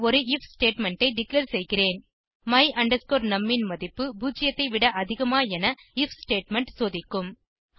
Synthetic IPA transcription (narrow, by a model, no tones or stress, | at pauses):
ɔɾɯɪfsʈeːʈmɛɳʈɐɪɖɪklɐːɾsɛjɣɪreːn | mɐɪʔɐɳɖɐskoːɾnɐmːɪnmɐðɪpːɯbuːd͡ʒɪjɐt̪ːɐɪʋɪɽɐʔɐðɪɣɐmaːɛnɐɪfsʈeːʈmɛɳʈsoːðɪkːɯm